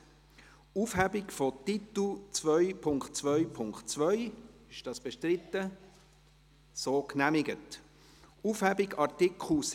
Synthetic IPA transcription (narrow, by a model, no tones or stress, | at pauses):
ufhæbɪkfɔtit̪l̩t͡sʋœʏpʰʊŋkt̚t͡sʋœʏpʰʊŋkχtt͡svœʏɪʃd̥ɑːsb̥ɛʃtɾɪt̪ːə | soːknæmɪɡət | ufhæbɪɡɑɾtɪkχl̩s